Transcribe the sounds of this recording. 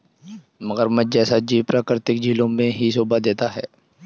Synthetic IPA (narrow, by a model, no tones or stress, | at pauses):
mɐɣəɾmət̪̚d͡ʒɛːsad͡ʒiːʋpɾaːkɪɾt̪ɪk̚d͡ʒʱiːlõmẽɦisoːbad̪eːt̪aɦɛ̰ː